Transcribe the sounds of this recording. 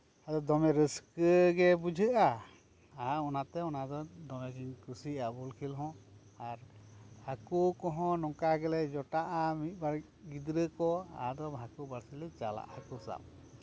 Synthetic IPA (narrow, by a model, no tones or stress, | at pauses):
ad̪ɔd̪ɔmɛɾəskəɡɛbud͡ʒʱəʔa | aɔnat̪ɛɔnad̪ɔd̪ɔmɛɡinkusiabulkʰilɦɔ̃ | aɾhakukɔɦɔ̃nɔŋkaɡɛlɛd͡ʒɔʈaʔamit̪̚ˀbaɾ | ɡid̪ɾəkɔa̰d̪ɔbʱakubaɾsilɛt͡ʃala̰ʔhakusa̰p̚